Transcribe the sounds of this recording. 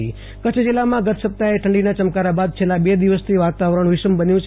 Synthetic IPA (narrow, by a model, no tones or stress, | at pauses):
ḭ | kət͡ʃʰd͡ʒilːamãɡət̪ʰsəp̚t̪aeʈʰəɳɖinat͡ʃəmkaɾabad̪̚t͡ʃʰelːabed̪iʋəst̪ʰiʋat̪aʋəɾəɳ̃ʋɪʃəmbənjũt͡ʃʰ